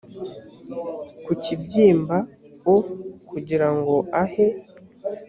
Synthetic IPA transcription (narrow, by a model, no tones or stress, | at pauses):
kucibɟiːmba | okʰuɟiɾaŋɡo̞ahe̞